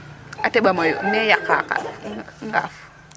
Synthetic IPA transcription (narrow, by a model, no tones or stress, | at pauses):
atɛɓamajɔm̩nɛjakaka̰fŋɡa̰fu̥